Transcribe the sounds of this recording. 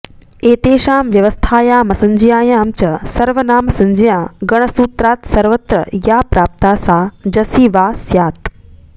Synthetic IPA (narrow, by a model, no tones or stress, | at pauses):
eːt̪eːʃaːmʋjɐʋəst̪ʰaːjaːmɐsɐ̃ɲd͡ʒijaːjaːmt͡ʃɐsɐɾʋənaːmsɐ̃ɲd͡ʒijãːɡɐɳ̃əsuːt̪ɾaːt̪sɐɾʋɐt̪ɾɐ̰jaːpɾaːp̚t̪aːsaːd͡ʒɐsiːʋaːsjaːt̪